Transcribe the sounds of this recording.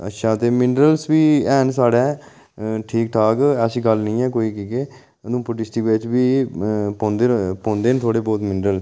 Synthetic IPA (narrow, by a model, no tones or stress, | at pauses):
ə̰tːʃʰaːt̪eːmɪɳɖɾəlsʋiːɛːnsaːɽɛː | ʈʰiːk̚ʈʰaːkəsĩːɡəlnĩːɛːkoːiːkiːkeː | ənũːpʊʈɪsʈiʋet͡ʃbiːpɔ̃ːnd̪eːpɔ̃ːnd̪eːnt̪ʰoːɽeːbɔːt̪mɪɳɖɾəl